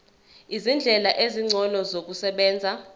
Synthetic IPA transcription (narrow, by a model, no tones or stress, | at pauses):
izind͡ɮʱɛlaʔeziŋ͡ǀʱɔlɔzok̬usɛɓɛːnd͡zʱa